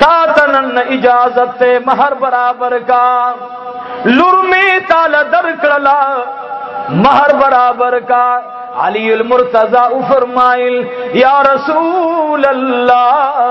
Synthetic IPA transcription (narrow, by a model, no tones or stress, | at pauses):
t̪aːt̪ɐnɐnːɐʔid͡ʒaːzɐt̪ːemɐɦɐɾbɐɾaːbɐɾkaː | luɾmeːt̪aːlɐd̪ɐɾkɭɐlaː | mɐɦɐɾbɐɾaːbɐɾkaːɾ | ɐ̰lijulmʊɾt̪ɐzaːufɐɾmaːjiljaːɾɐsuːlɐlːaː